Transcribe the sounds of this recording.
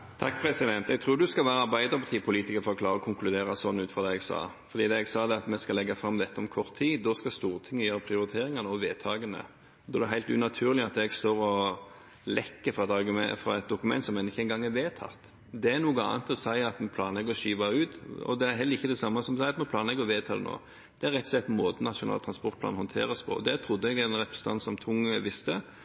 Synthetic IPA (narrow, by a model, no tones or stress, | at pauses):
t̪ʰɑkːpʰɾɛsɪd̪ɛnt̪ɛɡt̪ʰɾuːɾd̪ʉskɑlʋæːɾəɑɾbæɪd̪əɾpʰɑt̪ʰiːpʰʊliːt̪ɪkəɾfɔɾɔkʰlɑːɾəɔkʰʊŋklʉd̪eːɾɑsɔnːʉːt̪fɔd̪ɛɛɡsɑ̰ː | fɔɾd̪iːd̪ɛɛɡsɑːd̪ɛɑt̪mɛskɑlɛɡːɑfɾɑmːd̪ɛt̪ʰːəɔmkʰɔɾt̪ʰːiːd̪ɔskɑst̪uːɾt̪ʰɪŋːəjøːɾəpʰɾɪʊɾɪt̪ʰeːɾɪŋɑnəɔʋeːt̪ʰɑːɡənə̰ | d̪ɔd̪ɛɦæɪlt̪ʉ̰nɑt̪ʰʉːɾlɪɑt̪ɛɡst̪oːɾɔ | lɛkːəfɾɑɛt̪ɑɾɡfɾɑ̰ɛt̪̚d̪ʊkʉmɛ̰nt̪sɔmɛnɪçəɛɪnɡɑŋːæɾʋeːt̪ʰɑ̰t̪ː | d̪ɛænuːɡəɑ̰ːnt̪ɔsæɪɑt̪ɛnpʰlɑːnlɛɡɔʃiːʋɑʉːt̪ɔ̰d̪ɛæɦɛlːəɾɪçːəd̪ɛsɑmːɑsɔmsæɪɑt̪mɛnp̪ʰɑːnlɛɡɔʋeːt̪ʰɑ̰ːlə̰no̰ː | d̪̥ɛæɾɛt̪ːɔsɛt̪ːmoːd̪ənɑʂʊnɑ̰ːt̪ʰɾɑnspɔʁt̪̚plɑ̰nhɔnt̪ʰḛːɾəspʰɔ̰ɔd̪ɛt̪ʰɾʊd̪ːəɛɡɛnʁɛpɾə̥st̪ɑnsɔmt̪ʰʊŋːəʋɪst̪ə